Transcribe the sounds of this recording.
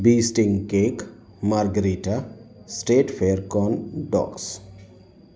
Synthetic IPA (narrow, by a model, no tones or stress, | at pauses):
biːsʈiŋɡkek | maɾɡəɾiʈasʈeːʈpʰeɾkɔnɖɔ̰ks